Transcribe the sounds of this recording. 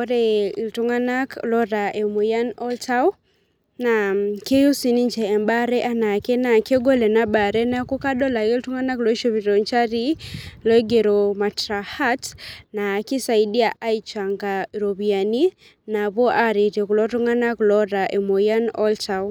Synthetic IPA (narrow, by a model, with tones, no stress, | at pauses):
ɔ˦ɾɛ˦i˨ltu˦ŋa˦na˦klɔ˦ɾa˨ʔe˨mo˨ja˦nɔ˦lta˦w | na˨ke˦ju˦si˨ni˦ɲt͡ʃɛː˨mba˦ɾɛ˦ʔa˦na˨kɛ˦na˨ke˦ɡo˦lɛ˨na˦ba˨ɾɛ˦na˦ku˦ka˦dɔ˦la˨i˦ltu˦ŋa˦na˦klɔ˨˦i˦ʃo˦βi˨ɾɔ˨ɲt͡ʃa˦ɾi˦lɔ˦e˦ɡe˨ɾo˨ma˨tɾa˨ha˦tna˨ki˦sa˨i˦di˦a˨ʔa˦i˦t͡ʃa˨ŋɡa˨ɾo˨βi˨a˨ni˦ | na˨βɔ˦ʔa˦ɾi˨te˨ku˨lɔ˦tu˦ŋa˦na˦klɔ˦ɾa˨ʔe˨mo˨ja˦nɔ̰˦lta˦w